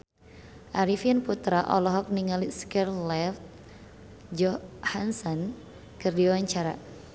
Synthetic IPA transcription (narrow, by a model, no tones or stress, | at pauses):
ʔaɾifianput̪ɾaʔɔ̰lɔɦɔk̚niŋaliskɛrlɛft̪̚ | d͡ʒɔhansɔn | kɨrdiwaɲt͡ʃaɾa